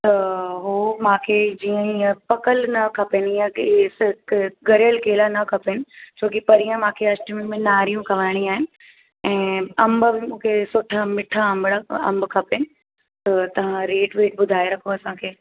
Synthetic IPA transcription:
t̪ɐɦoːmãːkʰed͡ʑiːə̃ĩpɐkəlnɐkʰɐpenãsɡɐɾjəlkeːlanɐkʰɐpenɪ̆t͡ɕʰoːkipɐɾijə̃mãːkʰeɐsʈimĩmẽnaːɾijũkʰɐʋaːɪɽ̃iaːɦɪnɪ | ɛ̃ːɐ̃mbbɪmũːkʰesʊʈʰamɪʈʰaɐ̃mbɽaɐ̰̃mbkʰɐpenɪ̆ | t̪ɐt̪ɐʋ̤ãɾeːʈʋeːʈ̚bʊd̪ʱaːeɾɐkʰoɐsãkʰeː

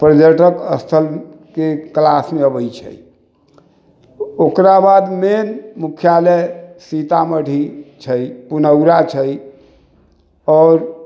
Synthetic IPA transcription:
pɾəd͡ʒəʈəkəst̪ʰəl | keklasmeəbəjt͡ʃʰə̰j | okɾabad̪menmukʰjaləjsit̪aməɽ̤ʱit͡ʃʰəjpunəwɾat͡ʃʰəj | ɔːɾ

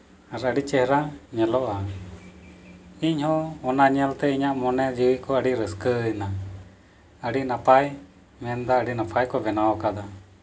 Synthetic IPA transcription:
aɾəɽit͡ʃɛɦɾaɲɛlɔʔa | iɲhɔ̃ɔnaɲɛlt̪ɛiɲaʔmɔnɛd͡ʒiwikɔəɽiɾəskəjna | əɽinapaj | mɛnd̪aəɽinapʰajkɔbɛnaɔkad̪a

